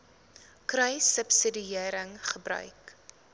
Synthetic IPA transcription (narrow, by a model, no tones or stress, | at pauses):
krəjsəpsədiiəɾəŋχəbɾœ̰ɥk